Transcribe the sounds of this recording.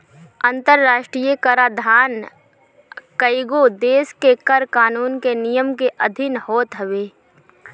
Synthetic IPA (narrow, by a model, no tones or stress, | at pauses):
ə̃nt̪əɾːaːʃʈɾiːjəkəɾaːd̪ʱaːn | kəɪɡod̪eːskekəɾkaːnuːnkenijəmkeʔəd̪ʱɪnhoːt̪ɦəʋeː